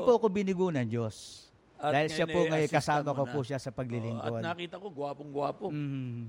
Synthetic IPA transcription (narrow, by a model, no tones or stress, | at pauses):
poʔɐkobɪnɪɡuːnɐŋd͡ʒos | aːhɪlʃapoŋɐjokɐsaːmɐkopuʃasɐpɐɡ̚lɪlɪŋkod̪nːkiːt̪ɐkoɡwaːpoŋɡʊwaːpom̩ːh